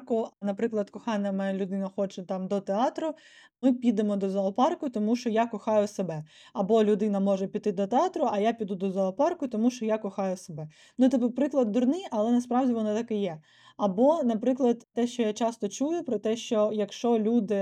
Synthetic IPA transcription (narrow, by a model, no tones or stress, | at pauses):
kʊnɐpɾɪklˠɐd̪kɔxɑnʲːɐmɛlʲʊd̪ɪnɐxɔt͡ʃɛt̪ɑmd̪ɔt̪eɑt̪ɾʊ | mɪpʲid̪emɔd̪ɔzɐɔpɑrkʊt̪ɔmuʃt͡ʃɔjakɔxɑjʊsebɛ | ɐbɔlʲʊd̪ɪnɐmɔʒɛpʲit̪̚t̪ːɪd̪ɔt̪eɑt̪ɾʊʔɐjapʲid̪ud̪ɔzɐɔpɑrkʊt̪ɔmuʃt͡ʃɔjakɔxɑjʊsebɛ | nut̪ɪpʊpɾɪklˠɐd̪ːɔrnɪʔɐlˠɛnɐspɾɑwdʲiʋɔnɔt̪ɑkɪjɛ | ɐbɔnɐpɾɪklˠɐd̪t̪ːɛʃt͡ʃɔjat͡ʃɑst̪ɔt͡ʃujʊpɾɔt̪ɛʃt͡ʃɔjɐkʃt͡ʃɔlʲud̪ɪ